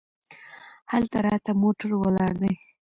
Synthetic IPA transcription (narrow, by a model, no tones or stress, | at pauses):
halt̪aɾɑt̪amoʈaɾwəlɑɽd̪əj